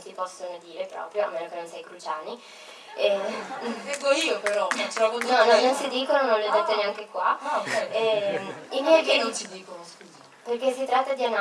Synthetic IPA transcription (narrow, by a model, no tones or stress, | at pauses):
nsipɔsːonod̪iːɾepɾɔ̰ːpɾjoa̰mːeːnokenonsɛjkɾut͡ʃaːni | ɛ | ɡoiːopeɾɔt̪ɾɔvonnɔnːɔnːonsid̪iːkononoled̪et̪ːoneaŋkekwaɛɛimiokent͡ʃid̪iːkoskuz | perk̟esːit̪ɾat̪ːad̪iana